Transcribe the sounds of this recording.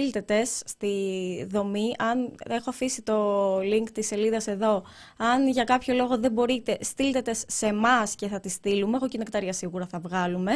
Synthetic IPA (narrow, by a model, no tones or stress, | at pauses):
ilt̪e̞t̪e̞sːt̪iðo̞miʔɐne̞xo̞ɐfisit̪o̞liŋkt̪isːe̞liðɐse̞ðo̞ | ɐnʝɐkɐpço̞lo̞ɣo̞ðe̞bo̞ɾit̪e̞st̪ilt̪e̞t̪e̞sːe̞mɐsce̞θɐt̪ist̪ilumeɣocinekt̪ɐɾʝɐsiɣuɾɐθɐvɣɐlume̞